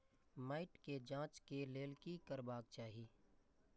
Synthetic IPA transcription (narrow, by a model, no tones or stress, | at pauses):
maːɪʈked͡ʒãːt͡ʃkeleːlkikəɾbaːk̚t͡ʃaːɦiː